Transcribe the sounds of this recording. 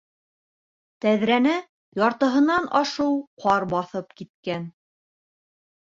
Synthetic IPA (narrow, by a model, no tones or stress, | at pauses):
t̪æðɾænɘ | jɑɾt̪ɤ̆ɦɤ̆nɑnɑʃɤwqʰɑɾbɑθɤpkit̪̚kæn